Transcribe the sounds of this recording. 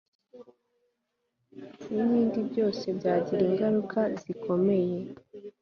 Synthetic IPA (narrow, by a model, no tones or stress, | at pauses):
nimiːndibɟo̞ːse̞bɟaːɟiɾiːŋɡaɾukʰaziko̞me̞je̞